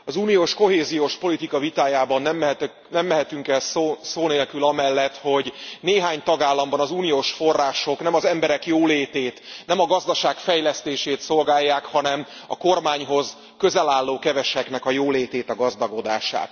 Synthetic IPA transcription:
ɒzuːnijoːʃko̞ɦeːzijoːʃpo̞lit̪ikɒvit̪aːjaːbɒnːɛmt̪ | nɛmːɛɦɛt̪yŋkɛlsosoːneːlkylɒmɛlːɛt̪ho̞ɟneːɦaːɲt̪ɒɡaːlːɒmbɒnɒzuːnijoːʃfo̞rːaːʃo̞knɛmɒzɛmbɛɾɛkjoːleːt̪eːt̪nɛmɒɡɒzd̪ɒʃaːkfɛjlɛst̪eːʃeːt̪so̞lɡaːjːaːkhɒnɛm | ɒ̰ko̞rmaːɲɦo̞z | køzɛlaːlːoːkɛvɛʃɛknɛkɒjoːleːt̪eːt̪ɒɡɒzd̪ɒɡo̞d̪a̰ːʃa̰ːt̪

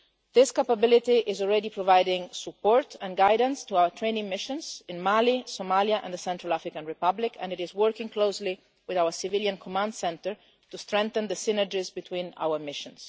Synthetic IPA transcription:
ðɪskapabɪlɪt̪iʔɪzɔlɹɛdipɹɔvajdɪ̃ŋsupɔɹtʰɛ̃nɡajdə̃nst̪uawəɹtʰɹẽɪ̃nɪ̃ŋmɪʃə̃nzɪ̃nmalisomaljaʔɛ̰̃nd̪əsɛ̃ntɹalafɹɪkãnɹɪpʌblɪkʰɛ̰̃nɪɾɪzwɜɹkɪ̃ŋkʰloʊsli | wɪðawəɹsɪvɪljãnkʰɔmãndsɛ̃nt̪əɹ | t̪ustɹɛ̃ŋk̚θə̃nðəsɪnəd͡ʒɪzbit̪ʰwĩna̰wəɹmɪʃə̃ns

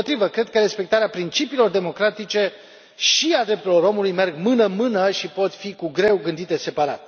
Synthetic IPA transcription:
ot̪ɾivəkɾe̞d̪̚kəɾe̞spe̞k̚t̪aɾeapɾint͡ʃipiːlo̞rd̪e̞mo̞kɾat̪it͡ʃe̞ | ʃiad̪ɾept̪uɾlo̞ɾo̞mulujme̞rɡmɨnəmɨnəʃipo̞t̪fikuɡɾe̞wɡɨnd̪it̪e̞se̞paɾa̰t̪

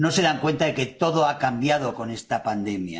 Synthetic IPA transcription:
no̞se̞ðaŋkwe̞nt̪aðe̞ke̞t̪o̞ðo̞akambjaðo̞ko̞ne̞st̪apand̪e̞mja̰

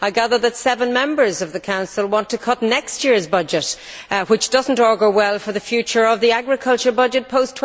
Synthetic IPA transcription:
aɪɡæðə˞ðɨtsɛvə̃nmɛ̃mbə˞zʌvðɨkʰãʊ̃nsəlˠwɑ̃ntʰɨkʰʌtⁿnɛkstjɪɹzbʌd͡ʒɨt | wɪt͡ʃd̥ʌzn̩tɔɹɡə˞wɛlˠfə˞ðɨfjʉt͡ʃə˞ʌvðiaɡɹɨkʰʌlˠt͡ʃə˞bʌd͡ʒɨt̚pʰoʊstʰ

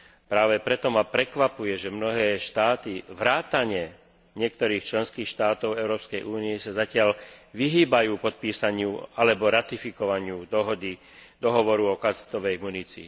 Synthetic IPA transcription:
pɾaːʋɛpɾɛt̪ɔmapɾɛkʋapujɛʒɛmnɔɦɛːʃt̪aːt̪iʋɾaːt̪aɲɪɛ | ɲɪɛk̚t̪ɔɾiːxt͡ʃlɛnskiːxʃt̪aːt̪ɔʊɛʊɾɔːpskɛjʔuːnijɛsazacɪalʋiɦiːbajuːpɔt̪̚piːsaɲɪualɛbɔɾat̪ifikɔʋaɲɪud̪ɔɦɔd̪i | d̪ɔɦɔʋɔɾuɔkast̪ɔʋɛjmunit͡siː

